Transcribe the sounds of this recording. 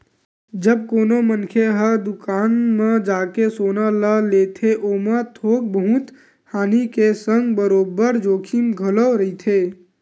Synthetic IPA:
d͡ʒəb̚koːnomənkʰeɦəd̪ukaːnmed͡ʒaːkesoːnaləlet̪ʰeʔomãt̪ʰoːk̚bəɦũt̪ | haːnikesə̃ŋɡbəɾoːbəɾd͡ʒoːkʰimɡʱələɾəit̪ʰe

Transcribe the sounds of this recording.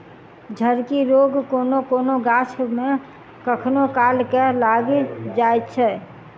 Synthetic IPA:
d͡ʒʱəɾkiɾoːɡkoːnokoːnoɡaːt͡ʃʰmẽ | kəkʰnokaːlkelaːɡed͡ʒaːet̪t͡ʃʰɛː

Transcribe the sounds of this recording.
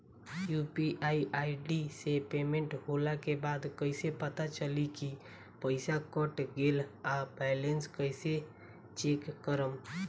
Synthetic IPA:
jupiʔaiʔaiɖisepemẽɳʈɦolakebad̪kəɪsepət̪at͡ʃəliki | pəɪsakəʈɡelabajlenskəɪse | t͡ʃekːəɾəm

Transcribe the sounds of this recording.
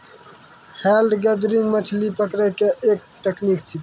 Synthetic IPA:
xelɖɡəd̪ɾiŋɡmət͡ʃʰlipəkɾekeʔeːk̚ʈ̪eknikt͡ʃʰi

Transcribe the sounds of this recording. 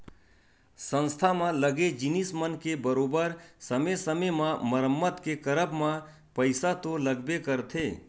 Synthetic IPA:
sə̃nst̪ʰamãləɡed͡ʒɪnismənkebəɾoːbəɾsəmesəmemãməɾəmːət̪kekəɾəbmã | pəɪsat̪oləɡbekəɾt̪ʰeː

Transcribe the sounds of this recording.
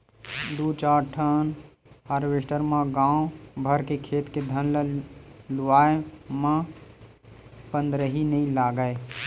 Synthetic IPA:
d̪uːt͡ʃaːʈʰən | əɾʋɪsʈəɾmãɡãːõbʱəɾkekʰeːt̪ked̪ʱənl | lʊʋaːemã | pə̃nd̪ɾəɦinəĩlaːɡəe

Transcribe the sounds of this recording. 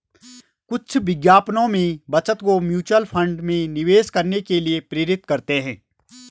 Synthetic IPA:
kʊt͡ʃʰʋɪɡjaːpnõmẽbɐt͡ʃət̪komjuːt͡ʃwəlpʰɐ̃ɳɖmẽnɪʋeːskɐɾnekeliepɾeːɾɪt̪kɐɾt̪eɦɛ̃ː

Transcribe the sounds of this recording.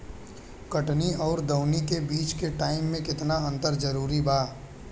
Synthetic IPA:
kɐʈniɔːɾd̪ɐʊnikebiːt͡ʃkeʈaːɪmːẽkɪt̪naɐ̃nt̪əɾd͡ʒɐɾuːɾibʱaː

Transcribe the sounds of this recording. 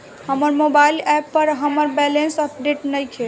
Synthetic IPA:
həməɾmobailɛpːəɾɦəməɾbɛlensəp̚ɖeʈnəjkʰel

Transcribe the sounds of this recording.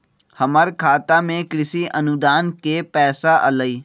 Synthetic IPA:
hɐməɾkʰaːt̪amẽkɾɪsiʔɐnʊd̪aːnkepɛːsaʔɐ̰ləiː

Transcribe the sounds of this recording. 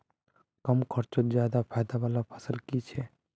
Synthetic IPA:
kəmkʰəɾt͡ʃot̪̚d͡ʒjad̪apʰajd̪abalapʰə̥səlkit͡ʃʰɛ

